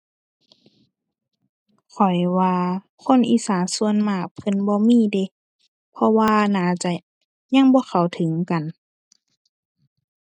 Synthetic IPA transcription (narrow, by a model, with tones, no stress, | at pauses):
kʰɔ˨˩jwaː˧ | kʰo˧˥˨nʔiː˨saː˨˦msu˧ə˨nmaː˧˩kpʰɤ˧˥˨nbɔː˧˦miː˧˥˨de˧˦ | pʰɔ˧waː˧naː˨˩˦t͡ɕa˧˨ | ɲa˧˨ŋbɔː˧˦xʰa˨˩wt̪ʰɯ˨˦ŋka˨n